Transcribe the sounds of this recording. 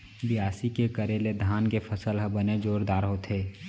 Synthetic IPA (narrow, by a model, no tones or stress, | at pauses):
bɪaːsikekəɾeled̪ʱaːnkepʰəsəlɦəbəned͡ʒoːɾd̪aːɾɦoːt̪ʰeː